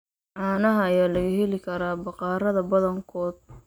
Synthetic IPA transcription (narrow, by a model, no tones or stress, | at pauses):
ʕɑːnɐɦɐːjaːlɐɣɐɦɛlɪkʰɐɾaːbɑqɑːɾɐðɐbɐðɐŋkʰɔːd̪̚